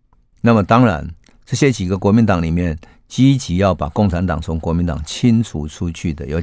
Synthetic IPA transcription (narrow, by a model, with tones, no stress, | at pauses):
na˥˩mə˨˩t̪ɑ˥ŋɻa̰˧˦n | ʈ͡ʂɤ˥˩ɕjɛ˦˥t͡ɕi˨˩ɡə˨kwɔ˧˥mi˧˥nt̪ɑ˨˩˦ŋli˨˩mjɛ˥˨n | t͡ɕi˥t͡ɕi˧˥jɑ˥˩ʊpa̰˨˩kʊ˥˩ŋʈ͡ʂʰa˧˥nt̪ɑ̰˨˩ŋt͡sʰʊ˧˥ŋkwɔ˧˥mi˧˥nt̪ɑ̰˨˩ŋt͡ɕʰi˥nt͡sʰu˨˩˦ʈ͡ʂʰu˦t͡ɕʰy˥˩d̪ə̰˨˩jo˧